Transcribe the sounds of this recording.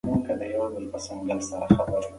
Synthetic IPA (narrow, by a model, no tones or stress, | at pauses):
muŋkad̪əhawad̪̚wəlpasaŋɡalsaɾaxabaɾ